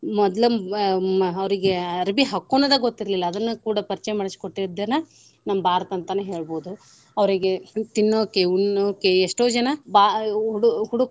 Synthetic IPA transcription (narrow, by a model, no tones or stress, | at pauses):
mɔd̪lɐ | ɐʋɾiɡeɐɾbiɦɐkːoːnːɐd̪ɐɡot̪ːiɾlilːɐːd̪ɐnːukuːɽɐpɐɾt͡ʃɛjɐmaːɽɐskoʈːiɾd̪ːɐnɐ | nɐmːbʱaːɾɐt̪ɐnt̪ɐneɦe̞ːɭboːd̪u | ɐʋɾiɡe̞t̪inːoːkːeunoːkːeeʂʈoːd͡ʒɐnɐbaːɦuɽuɦuɽuk